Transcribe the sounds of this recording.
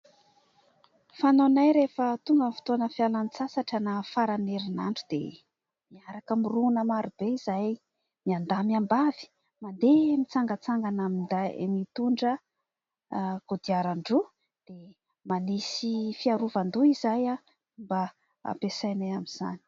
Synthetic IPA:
fanonajɾefət̪uŋɡənfi̥t̪oanəfialant͡sasaʈ͡ʂanafaɾaneɾinaɳɖ͡ʐud̪̥ḛ | miaɾakəmirunəmaɾub̥eizaj | miand̪amiambavi̥ | mand̪emit͡saŋɡət͡saŋɡanamind̪a̰mit̪uɳɖ͡ʐə | ɡ̥od̪iaɾaɳɖ͡ʐu | d̪̥e | manisifiaɾuvand̪uizaja | mba | a̰pesajnajamiz̥a̰ni̥

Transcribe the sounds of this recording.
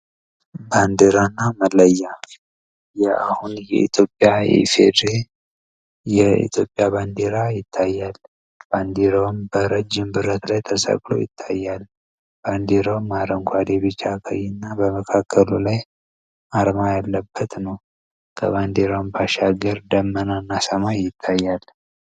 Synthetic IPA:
band̪eɾanːaməlːəjːa | jɛahunjɛ̰ḭt̪ʰjo̞pʼːjajɛ̰fḛd̪ɾe | jɛḭt̪ʰjo̞pʼjaβand̪eɾajɪt̪ʰːajːal | b̥and̪eɾawmbəɾəd͡ʒːɪmbɨɾət̪lajt̪ʰəsə̰kʼlo̞̰jɪ̰t̪ʰːajːal | b̥and̪eɾowmːaɾəŋkʰʷad̪eβit͡ʃːakʰə̰jɪnːabəməkʰakʰːəlulaj | aɾmajalːəbːət̪nəw | kʰə̰βand̪eɾombaʃaɡəɾd̪əmːənanːasəmajːɪt̪ʰːajːal

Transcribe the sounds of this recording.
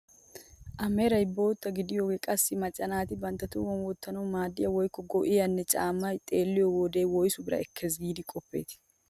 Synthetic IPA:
ʔɐmeːɾɐjbo̞ːt̪ːɐɡɪd̪ɪjoːɡɛkʼɐsːɪmɐt͡ʃʼːɐnaːt̪ɪbɐnt̪ːɐt̪ʊwɔnwɔt̪ːɐnɐwmaːd̪ːɪjɐwɔjkːɔɡɔʔɪjɐnːɛt͡ʃʼaːmːɐjt̪ʼeːlːɪjɔwɔd̪eːwɔjsʊbɪɾɐ̰ɛkʰːɛs̬ɡiːd̪ɪkʼɔpːḛːt̪ɪ̥

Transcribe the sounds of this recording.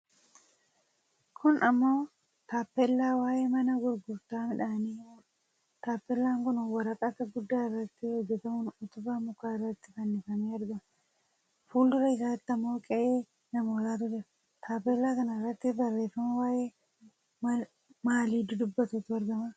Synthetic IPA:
kʰʊnɐmːoː | t̪aːpːɛlːaːwaːjeːmɐnɐɡʊɾɡʊɾt̪aːmɪᶑaːniːmuːᶑɐ̥ | t̪aːpːɛlːaːŋkʊnwɐɾɐkʼɐt̪ɐɡʊd̪ːaːɪrːɐt̪ːɪhɔd͡ʒːɛt̪ɐmʊnʊt̪ʊbaːmʊkːaːɪrːɐt̪ːɪkɐnːɪfɐniːɐɾɡɐmɐ | fuːld̪ʊɾɐɪs̬aːt̪ːɪɐmːo̞ːkʼɛʔeː | nɐmoːlaːt̪ʊd͡ʒɛɐ | t̪ʰaːpːɛlːaːkɐnɐɪrːɐt̪ːɪbɐrːe̞ːfːɐmɐwaːjeː | maːliːd̪ʊd̪ʊbːɐt̪uːt̪ʊɐɾɡɐmɐ

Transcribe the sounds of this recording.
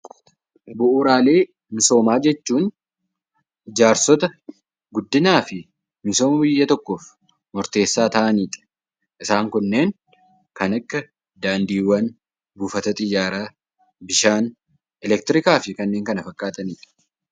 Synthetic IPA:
bʊʔuːɾaːle̞ː | mɪso̞ːmaːd͡ʒɛt͡ʃːuːn | d͡ʒaːɾsɔt̪ɐ | ɡʊd̪ːɪnaːfɪ | mɪso̞ːmɐbɪjːɐt̪ɔkːoːf | mɔɾt̪e̞ːsːaːt̪ɐʔɐniːᶑɐ̥ | ʔɪsaːŋkʊnːe̞ːŋ | kɐnɐkːɐ | d̪aːnd̪iːwːɐn | buːfɐt̪ɐt̪ʼɪjːaːɾaː | bɪʃaːn | ɛlɛk̚t̪ɪɾɪkaːfɪkɐnːe̞ːŋkɐnɐfɐkʼːaːt̪ʼɐniːᶑɐ̥

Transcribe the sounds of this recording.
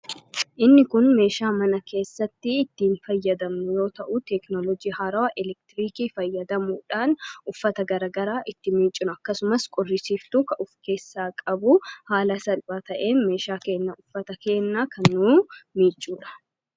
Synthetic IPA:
ʔɪnːɪkʊnme̞ːʃaːmɐnɐke̞ːsːɐt̪ːɪːt̪ːiːnfɐjːɐd̪ɐmnʊjo̞ːt̪ɐʔʊt̪ɛknɔlɔd͡ʒiːhaːɾɐwɐʔɛlɛk̚t̪ɪɾiːkiːfɐjːɐd̪ɐmuːᶑaːnʔʊfːɐt̪ɐɡɐɾɐːɡɐɾaːʔɪt̪ːɪmiːt͡ʃʼːɪnʊɐkːɐsʊmɐskʼɔrːɪsiːft̪ʊkɐʔʊfke̞ːsːaːkʼɐbʊhaːlɐsɐlpʼaːt̪ɐʔe̞ːnme̞ːʃaːke̞ːnːɐʊfːɐt̪ɐke̞ːnːaːkʰɐnːuːmiːt͡ʃʼːuːᶑɐ̥

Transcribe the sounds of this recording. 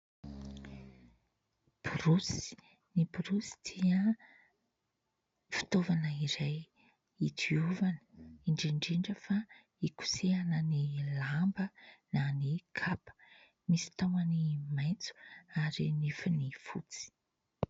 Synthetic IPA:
puɾusi̥ | nipuɾusi̥d̪̥iə | fi̥t̪ovanəiɾaj | it̪ʰiuvaniɳɖ͡ʐiɳɖ͡ʐiɳɖ͡ʐəfa | iku̥seanənilambənanikʰapə̥ | misi̥t̪awanimajnt͡su̥aɾinifanifṵt͡si̥

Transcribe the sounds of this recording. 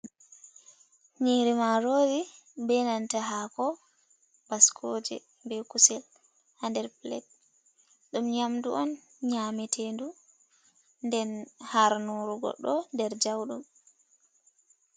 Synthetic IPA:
ɲiɾimaɾoːvi | bɛnantaɦakɔ | baskʰod͡ʒɛ̰ | mbɛkusɛl | handɛɾplɛ̰t̚ | ɗumɲamduʔɔn | ɲaːmɛtʰendu | ndɛnhaɾnuɾuɡɔ̰ɗɔndɛɾd͡ʒawɗum

